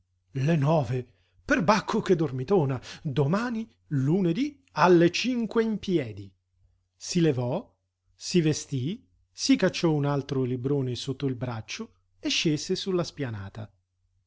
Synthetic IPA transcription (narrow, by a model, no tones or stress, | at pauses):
lenɔːve | perbakʰːok̟ed̪ːormit̪oːnad̪omaːni | luned̪i | alːet͡ʃiŋkweimpjɛːd̪i | silevɔ | sivest̪i | sikat͡ʃːɔunalt̪ɾolibɾoːnesot̪ːoilbɾat͡ʃːo | eʃːeːz̥esulːaspjana̰ːt̪a